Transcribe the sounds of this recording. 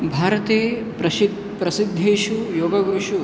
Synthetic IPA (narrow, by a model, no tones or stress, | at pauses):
bʱaːɾɐt̪eː | pɐ | pɾɐsid̪ʱːeːʃujoːɡɐɡɾuʂu